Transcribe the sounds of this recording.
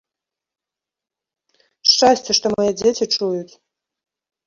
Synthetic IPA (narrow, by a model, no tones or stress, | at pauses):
ʂt͡ʃasʲt͡sʲeʂt̪omojed͡zʲet͡sʲiʈ͡ʂujut̪